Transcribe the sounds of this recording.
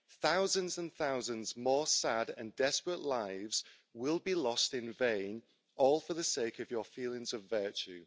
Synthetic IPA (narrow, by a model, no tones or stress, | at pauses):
θaʊzə̃nzə̃nθaʊzə̃nzmɔːsadə̰̃ndɛspɹəʔlaɪvz̥ | wɪlˠbilɒstɪ̃nvẽɪ̃n | ʔɔːlˠfəðəseɪkəvjəfiːlˠɪ̃ŋzəvɜˑt͡ʃʉ